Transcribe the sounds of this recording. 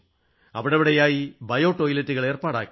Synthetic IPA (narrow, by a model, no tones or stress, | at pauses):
ɐʋiɽɐʋiɽɐjaːjibɐjo̞ːʈːoːjilɐtːuɣɐɭe̞ːrpaːɽa̰ːkːi